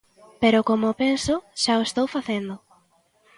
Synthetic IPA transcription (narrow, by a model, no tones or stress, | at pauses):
peɾʊkomopensoʃaoest̪owfaθend̪ʊ